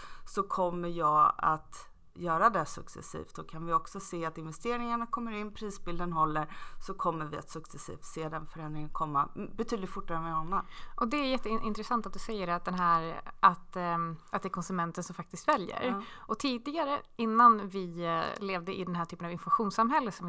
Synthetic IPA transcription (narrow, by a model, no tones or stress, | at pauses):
sɔkʰɔmːəɾjɑːɡa̰t̪ | jœːɾad̪ɛsɵksɛ̰sḭːft̪dɔkʰanvɪɔksɔseːat̪ɪnvɛst̪eːɾɪŋaɳakʰɔmːəɾɪnːpʰɾiːsbɪld̪ənɦɔlːəɾsɔkʰɔmːəɾvɪa̰t̪sɵksɛsḭːft̪seːd̪ɛnfœɾɛnd̪ɾɪŋənkʰɔmːabɛt̪ʰyːd̪lɪt̪fʊʈːaɾəmɛɔnːanʔɔd̪ɛæɾjɛt̪ːəɪʔɪnt̪ɾɛsant̪at̪̚d̪ɵsɛjːəɾat̪̚d̪ɛnɦæːɾʔat̪at̪̚d̪ɛækʰɔnsɵmɛnt̪ənsɔmfak̚t̪ɪst̪vɛljə̰ɾʔɔt̪ʰiːd̪ɪɡaɾəɪnːanvɪleːvd̪əʔɪ̰d̪ɛnɦæːʈʰyːpənavɪnfɔmaɧuːnsamɦɛlːətsɔm